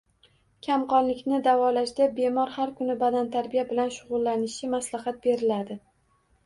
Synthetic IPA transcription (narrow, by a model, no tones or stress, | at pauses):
kʲʰamqɒnlɪkʲnɪd̪avɒlaʃd̪abe̞mɒɾhaɾkʰʊnɪbad̪ant̪ʰaɾbijabɪlanʃʊʁʊlˠːanɪʃɪmaslahat̪̚be̞ɾɪlad̪ɪ